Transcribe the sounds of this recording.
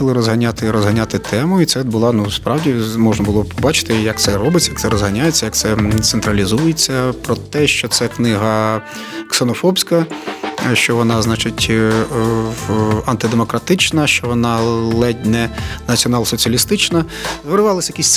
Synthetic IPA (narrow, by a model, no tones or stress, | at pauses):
ɐlˠɪɾɔzɦɐnʲat̪ɪɾɔzɦɐnʲat̪ɪt̪ʰɛmʊit̪sɛbʊlˠɑnuspɾɑwdʲimɔʒnɐbʊlˠɔpʰɔbɑt͡ʃɪ̥t̪ɪjɐk̚t̪sɛɾɔbɪt͡sʲɐjak̪tsɛɾɔzɦɐnʲajet͡sʲːɐjak̚t̪sɛt̪sent̪ɾɐlʲizujet͡sʲːɐpɾɔt̪ɛʃt͡ʃɔt̪sɛknɪɦɐ | ksenɔfɔbsʲkɐ | ʃt͡ʃɔʋɔnɑznɑt͡ʃɪtʲ | ɐnt̪ɪd̪emɔkɾɐt̪ɪt͡ʃnɐʃt͡ʃɔʋɔnɑlˠɛdʲnɛnɐt͡sʲiɔnɑlˠsɔt͡sʲiɐlʲist̪ɪt͡ʃnɐ | zʋeɾʊʋɑlˠɐsʲjɐkʲisʲ